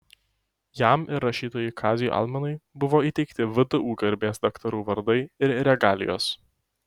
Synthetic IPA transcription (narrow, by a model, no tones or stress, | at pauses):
jæmɪɾɾɐʃʲiːt̪oːjɪkʰɑːzʲɪjṵʔɑ̰lˠmʲɐnɐɪbʊʋoːiːt̪ʲɛɪkt̪ʲɪʋʲɪd̪ʊʔuːɡɐɾʲbʲeːsd̪ɐkt̪ɐɾuːʋɐɾd̪ɐɪɪɾɾʲɛɡɑːlʲɪ̰jo̰ːs